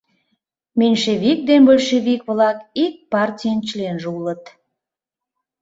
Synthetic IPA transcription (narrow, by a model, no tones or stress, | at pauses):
menʲʃeβik̚d̪enbolʲʃeβikβlɑkik̚pɑrtʲijənt͡ɕlenʒulət̪